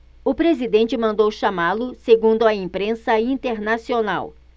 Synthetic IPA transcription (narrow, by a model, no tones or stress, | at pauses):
ʊpɾezid̪ẽnt͡ʃɪmɐ̃nd̪owʃamalʊseɡũnd̪ʊɐẽmpɾẽsɐĩnt̪eɾnasiona̰w